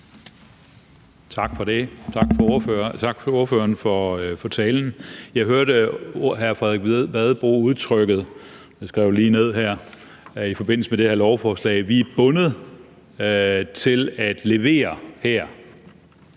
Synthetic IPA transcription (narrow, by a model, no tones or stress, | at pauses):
t͡sʰɑ̈ɡ̥fɒ̽d̥e̝t͡sʰɑɡ̥fɒføɐt͡sʰɑ̈ɡ̥fɒuɐføːɐnfɒfɒ̽t͡sʰɛːln̩jɑ̈ɪɦøɐɾəɦæɐfʁɛðˠeɡ̥ʋæðˠb̥o̝̰ːuð̞ˠt͡sʰʁœɡ̥ð̩ˠ | sɡ̥ʁɛʊliːne̝ð̞̰ˠɦæɐ̰ | ifɒ̽be̝n̰l̩səmed̥e̝hæɐlɒʊfɒːslɛ̰ːɪʋib̥ɔ̽nəð̞̩ˠ | t͡sʰe̝læd̥le̝ʋe̝̰ːɐhæɐ̰